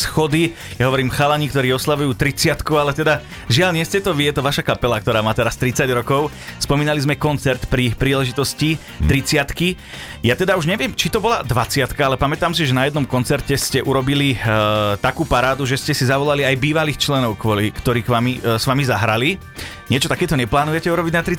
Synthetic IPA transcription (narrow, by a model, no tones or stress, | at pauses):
sxɔd̪i | jaɦɔʋɔɾiːmxalaɲikt̪ɔɾiːɔslaʋujuːt̪ɾit͡sɪat̪kualɛt̪ɛd̪a | ʒɪaʎɲɪɛscɛt̪ɔʋijɛt̪ɔʋaʃakapɛlakt̪ɔɾaːmaːt̪ɛɾast̪ɾit͡saɟɾɔkɔʊspɔmiːnalizmɛkɔnt͡sɛɾt̪pɾiːpɾiːlɛʒit̪ɔsci | t̪ɾit͡sɪat̪ki | jat̪ɛd̪auʒɲɛʋɪɛmt͡ʃit̪ɔbɔlad̪ʋat͡sɪat̪kaalɛpamɛt̪aːmsiʒɛnajɛd̪nɔmkɔnt͡sɛɾcɛscɛʔuɾɔbilit̪akuːpaɾaːd̪uʒɛscɛsizaʋɔlaliajbiːʋaliːxt͡ʃlɛnɔʊkʋɔlikt̪ɔɾiːkʋamisʋamizaɦɾali | ɲɪɛt͡ʃɔt̪akɛːt̪ɔɲɛplaːnujɛcɛuɾɔbiɟnat̪ɾi